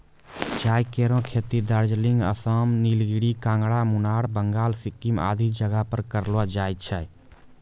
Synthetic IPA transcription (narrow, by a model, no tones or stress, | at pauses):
t͡ʃaːjkeːɾõkʰeːt̪id̪əɾd͡ʒlɪ̃ŋɡə̰səmniːlɡiɽikãːŋɡɽamʊnaːɽbəŋɡaːlsɪkːima̰ːd̪ʱid͡ʒəɡapəɾkəɾlwad͡ʒaːjt̪̚t͡ʃʰɛ